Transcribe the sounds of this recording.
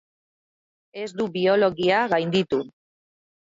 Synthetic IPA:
e̞zd̪uβio̞lo̞ɣiaɣajnd̪it̪u

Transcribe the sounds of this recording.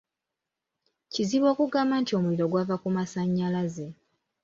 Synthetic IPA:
ciziβo̞ːkuɡaːmaːntio̞muiɾo̞ɡwavakumasaɲːalaze

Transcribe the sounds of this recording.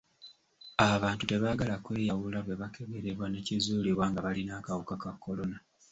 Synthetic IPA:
aβaːntute̞βaːɡalakwe̞ːjawulaβwe̞βake̞βe̞ɾe̞βwanecizuːliβwaŋɡaβalinaːkawukakakːo̞lo̞na

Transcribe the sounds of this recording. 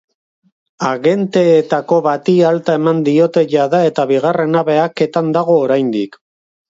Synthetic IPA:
aɣe̞nt̪e̞ːt̪ako̞βat̪ialt̪ae̞mand̪io̞t̪e̞ʝaðae̞t̪aβiɣ̞are̞naβe̞ake̞t̪and̪aɣo̞ːɾajnd̪ik

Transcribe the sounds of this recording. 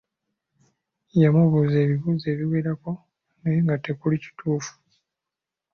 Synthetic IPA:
jamuβuze̞ːβiβuːze̞ːβiweːɾako̞ | najiŋɡatekulici̥tʰuːfu̥

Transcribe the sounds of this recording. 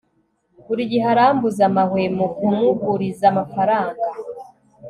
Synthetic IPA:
kuɾiɟiɦaɾaːmbuzamahwemukumuɡuɾizamafaɾaːŋɡa

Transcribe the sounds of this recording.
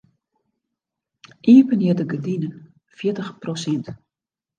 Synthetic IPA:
ʔiəpənjɪdəɡədinən | fjɪətəxprosɛnt

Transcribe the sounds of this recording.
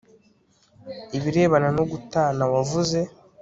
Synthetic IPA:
iβiɾe̞ːβanano̞ɡutanawavuze̞

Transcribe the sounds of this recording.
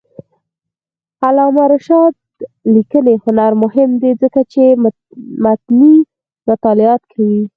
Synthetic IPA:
alɑmaɾaʃɑd̪̚ | likənehʊnaɾmʊhɪmd̪ed͡zəkat͡ʃe | mat̪ni | mʊt̪ɑlɪɑt̪kʰawi

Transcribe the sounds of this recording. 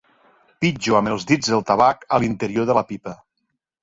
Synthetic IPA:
pid͡ʒuaməlˠzðid͡zðəlˠt̪aβakəlint̪eɾioðəlapipə

